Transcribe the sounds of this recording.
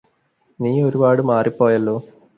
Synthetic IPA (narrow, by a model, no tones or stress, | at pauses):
niːo̞ɾubaːɽɨmaːripːo̞ːjɐlːo̞ː